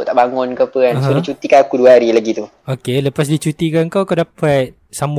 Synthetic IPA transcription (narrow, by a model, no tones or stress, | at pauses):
t̪aʔbaŋʊnkapəanɦsodit͡ʃut̪ikanakuduəɦaɾilaɡit̪u | okeləpas̬dit͡ʃut̪ikankawkadapat̪̚ | sam